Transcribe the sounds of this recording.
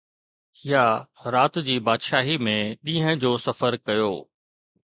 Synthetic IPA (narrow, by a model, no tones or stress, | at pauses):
ɪjaɾaːt̪d͡ʑiːbaːd̪ʃaːɦimẽɗĩːɦə̃d͡ʑoːsɐfəɾkɐjoː